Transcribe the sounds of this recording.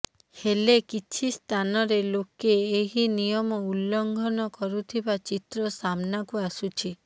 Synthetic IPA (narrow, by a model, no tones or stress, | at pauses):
helekit͡ʃʰist̪ʰanɔɾelokeːɦinijɔmɔulːɔŋɡʱɔnɔkɔɾut̪ʰibat͡ʃit̪ɾɔsamnakuasut͡ʃʰi